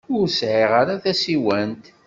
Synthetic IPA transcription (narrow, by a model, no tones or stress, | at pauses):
ʊɾsʕiʁaɾaθæsiwænt̪